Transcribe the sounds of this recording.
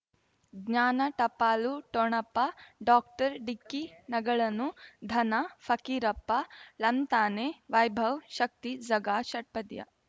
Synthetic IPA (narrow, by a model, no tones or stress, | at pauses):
ɡɲaːnɐʈɐpaːluʈoɳɐpːɐɖaːk̚ʈɐɾɖikːinɐɡɐɭɐnud̪ʱɐnɐfʰɐkiɾɐpːɐlɐmt̪aːneːʋɐjbʱɐwʃɐk̚t̪id͡ʒɐɡaːʃɐʈ̚pɐd̪jɐ̰